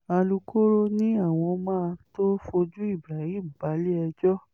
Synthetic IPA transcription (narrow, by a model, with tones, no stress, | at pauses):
a˧lu˧kʰo˦ɾo˦nĩ˦a˦˨w̃ɔ̃˧mãː˦˧to˦fo˧d͡ʒu˦i˦˨bɾa˨jĩ˦˨ba˨˦le˦ɛ˧d͡ʒɔ˦